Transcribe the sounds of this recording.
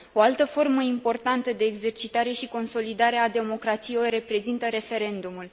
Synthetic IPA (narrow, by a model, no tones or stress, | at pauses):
o̞alt̪əfo̞rməimpo̞rt̪ant̪əd̪e̞ːɡze̞rt͡ʃit̪aɾe̞ʃiko̞nso̞lid̪aɾe̞ad̪e̞mo̞kɾat̪sijeojre̞pɾe̞zint̪əɾe̞fe̞ɾe̞nd̪umul